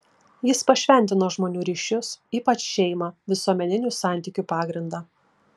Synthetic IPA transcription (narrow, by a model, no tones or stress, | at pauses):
jɪspɐʃʲʋʲɛnʲt̪ʲɪnoːʒmoːnʲuːɾʲiːʃʲʊsiːpɐt͡ʃʃʲɛɪmɑʋʲɪsuɔmʲɛnʲɪnʲusɑˑnʲt̪ʲɪːkʲuːpɑːɡɾʲɪnd̪ɑː